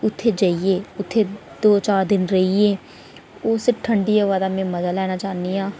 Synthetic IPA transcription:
ʊt̪ʰːeːd͡ʒaːieːʊt̪ʰːeːd̪oːt͡ʃaːɾd̪ɪnɾəɦieː | ʊsʈʰəɳɖiaːʋaːd̪aːmẽːməzaːlɛːnaːt͡ʃaːnːiːãː

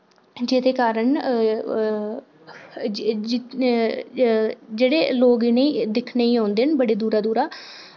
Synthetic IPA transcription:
d͡ʒɪd̪eːkaːɾəɳ | ɪ | d͡ʒeːɽeːloːɡneiːd̪ɪkʰneːiːɦõːnd̪eːnbəɽeːd̪uːɾaːd̪uːɾaː

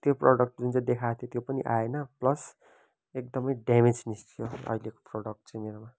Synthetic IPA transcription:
t̪joproɽʌk̚ʈd͡zunt͡sãj̃d̪ekʰat̪ʰjot̪jopʌnḭʔaenʌplʌs | ek̚d̪ʌmʌjɖamed͡znisʈʰijoʌ̰ileko̥proɽʌk̚ʈt͡sʌ̃j̃meɾoma

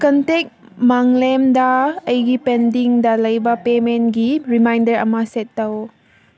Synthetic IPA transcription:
kɐntek̚ | maŋlemdɐːjɡipendiŋdɐlɐjbɐpementɡiɾimajndɐɾɐ̰mɐsetːɐw

